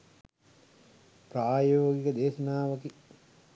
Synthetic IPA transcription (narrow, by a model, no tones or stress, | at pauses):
pɾaːjoːɡikəd̪eːʃɐnaːʋɐki